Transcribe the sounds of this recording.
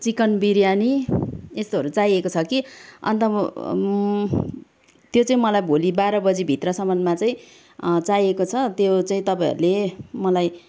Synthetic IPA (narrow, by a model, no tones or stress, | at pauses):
t͡sikʌnbiɾjaniest̪oɦʌɾut͡saiekot͡sʰʌkiʌ̰nt̪ʌ | t̪jot͡saĩmʌlajbʱolibaɾʌbʌd͡zibʱit̪rʌsʌmʌnmat͡saĩ | t͡sajekot͡sʰʌt̪jot͡saĩt̪ʌpaj̃ɦʌ̰ɾulemʌlaj